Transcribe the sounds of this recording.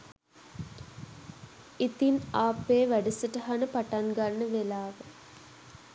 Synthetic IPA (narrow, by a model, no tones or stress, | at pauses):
it̪inaːpːeːʋæɖisəʈəɦanəpaʈaŋɡanːəʋelaːʋə